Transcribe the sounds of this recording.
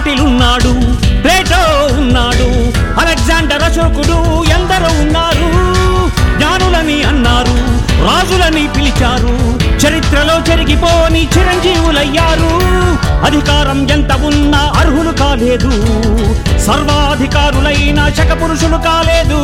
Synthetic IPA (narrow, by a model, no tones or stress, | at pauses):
ʈilunːaːɽuʈɾeːʈoːunːaːɽu | ɐlekzaːɳɖɐɾɐʃoːkuɽuɛnd̪ɐɾuunːaːɾu | ɡɲaːnulɐniɐnːaːɾuɾaːd͡ʒulɐnipilit͡ʃaːɾut͡ʃɐɾit̪ɾɐlo̞ːt͡ʃeɾiɡipoːnit͡ʃiɾɐɲd͡ʒiːʋulɐjːaːɾu | ɐd̪ʱikaːɾɐmjent̪ɐunːɐɐɾɦulukaːle̞ːd̪u | sɐɾʋɐɐd̪ʱikaːɾulɐjnɐʃɐkɐpuɾuʂulukaːleːd̪u